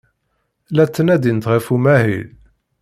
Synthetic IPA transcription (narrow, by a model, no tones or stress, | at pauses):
læt͡sːənæd̪int̪ʁəfumæhḭl